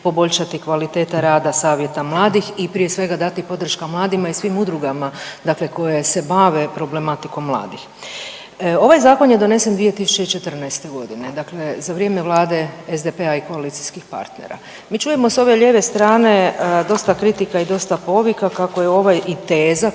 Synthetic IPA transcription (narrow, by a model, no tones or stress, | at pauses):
po̞bo̞ʎʃat̪ikʋalit̪e̞ːt̪aɾaːd̪asaːʋje̞t̪amlˠaːd̪ixipɾije̞sʋe̞ɡad̪at̪ipo̞d̪r̩ʃkamlˠaːd̪imaisʋimud̪ɾuɡamad̪akle̞ko̞je̞se̞baʋe̞pɾo̞ble̞mat̪iko̞mːlˠa̰ːd̪ix | o̞ʋajzaːko̞nje̞d̪o̞ne̞se̞nd̪ʋije̞t̪isu̥t͡ʃe̞it͡ʃet̪r̩najst̪e̞ɡo̞d̪ine̞d̪akle̞zaʋɾije̞ːme̞ʋlˠaːd̪e̞ezd̪epe̞aiko̞alit̪siskixpa̰ɾt̪nḛɾa̰ | miːt͡ʃuje̞mo̞so̞ʋe̞ʎʲeːʋe̞st̪ɾaːne̞d̪o̞st̪akɾit̪ikaid̪o̞st̪apo̞ʋikakako̞jeo̞ʋajit̪eːza